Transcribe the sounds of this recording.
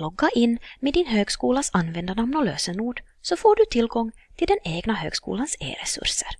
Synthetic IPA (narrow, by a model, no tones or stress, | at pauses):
lɔɡːaʔɪnːmeːd̪ɪnhøːɡskuːlasanːvɛnd̪anamnɔløːsənuːɖ | sɔfoːɖɵt̪ʰɪlɡɔŋːt̪ʰɪld̪ɛneːɡnaɦø̰ːɡ̥skṵːlansḛːɾɛ̰sɵ̰ɾʂə̰ɾ